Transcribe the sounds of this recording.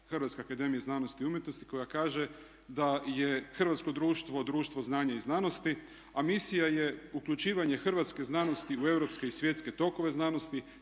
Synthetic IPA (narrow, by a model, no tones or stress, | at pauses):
xrʋat̪skeakad̪e̞mijeznaːnost̪iumjet̪nost̪i̥ko̞jakaːʒe̞ | d̪aje̞xr̩ʋat̪sko̞d̪ɾuːʃt̪ʋo̞d̪ɾuːʃt̪ʋo̞znaːɲaiznano̞st̪i | amisijaje̞ukʎut͡ʃiːʋaɲe̞xrʋat̪ske̞znano̞st̪iue̞wɾo̞pske̞isʋje̞t̪ske̞t̪o̞ko̞ʋe̞znano̞st̪i